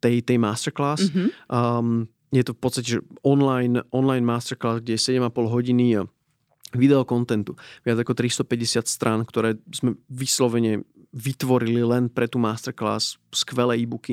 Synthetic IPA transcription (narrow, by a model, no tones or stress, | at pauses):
t̪ɛjt̪ɛjmaːst̪ɛɾklaːs | m | jɛt̪ɔfpɔt̪st̪acɛʒɛɔnlajnʔɔnlajnmaːst̪ɛɾklaːzɡɟɛjɛsɛɟɛmapɔlɦɔɟini | ʋid̪ɛɔkɔnt̪ɛnt̪uʋɪad͡zakɔt̪ɾist̪ɔpɛɟɛsɪat̪st̪ɾʔaːnkt̪ɔɾɛːzmɛʋislɔʋɛɲɛ | ʋit̪ʋɔɾililɛnpɾɛt̪uːmaːst̪ɛɾkla̰ːsskʋɛlɛːibuki